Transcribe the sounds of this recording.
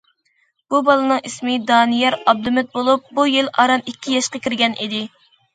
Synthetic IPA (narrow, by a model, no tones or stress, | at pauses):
b̥ubɑlˠɨnɨŋismɪd̪ɑːnijɛɾɑb̚d̪umɪt̪̚bolˠup̚bujilɑ̰ɾɑmikʲːijɑʃqɑkʲʰiɾɡʲɛnʔid̪ɪ